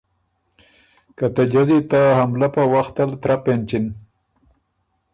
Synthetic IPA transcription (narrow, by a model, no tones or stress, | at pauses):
kat̪ad͡ʒazit̪ahamlapawaxt̪alt̪ɾapent͡ʃin